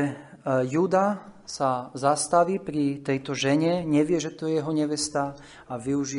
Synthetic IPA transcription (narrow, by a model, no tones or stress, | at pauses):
juːd̪asazast̪aʋiːpɾit̪ɛjt̪ɔʒɛɲɛɲɛʋɪɛʒɛt̪ɔjɛjɛɦɔɲɛʋɛst̪a | aʋiuʒi